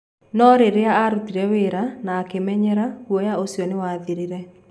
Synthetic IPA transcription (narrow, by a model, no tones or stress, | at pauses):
nɔɾeɾeaaɾutiɾɛweɾanaːkemɛɲɛɾahwɔjaosjɔnewaðiɾiɾɛ